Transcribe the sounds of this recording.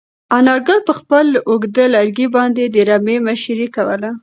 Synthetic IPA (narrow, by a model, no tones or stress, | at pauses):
anɑɾɡɑlpəxpəloɡd̪əlaɾɡibɑnd̪ed̪əɾamemaʃɾikawə̰la